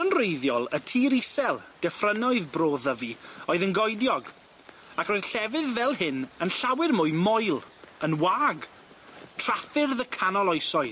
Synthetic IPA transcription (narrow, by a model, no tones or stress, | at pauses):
ənrejðjɔlˠətʰiːɾisɛlˠd̥ɛfrənɔɨðbroːðəvioɨðənɡɔjdjɔɡ | akroːɨð̥ɬɛvɨðvɛlˠhɪnənɬawɪrmʊɨmɔjlˠənwaːɡ | tʰrafɪrðəkʰanɔlˠɔjsɔɨ